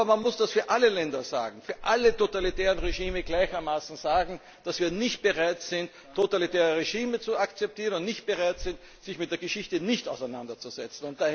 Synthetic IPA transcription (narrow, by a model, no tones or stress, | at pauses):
ɐmanmʊsd̥asfyːɐʔaləlɛndɐza̰ːɡŋ̩fyːɐʔalətotalitɛːʁənʁeʒiːməɡlaɪçɐmaːsn̩z̥aːɡŋ̩ | d̥asv̥iːɐnɪçt̚b̥əʁaɪtz̥ɪntʰːotalitɛːʁəʁeʒiːmət͡suakt͡sɛp̚tʰiːʁənʊntnɪçt̚b̥əʁaɪtz̥ɪnt | z̥ɪçmɪt̚d̥eːɐɡəʃɪçtənɪçta̰ʊsæɪnandɐt͡suz̥ɛt͡sn̩ʊnt̚d̥aː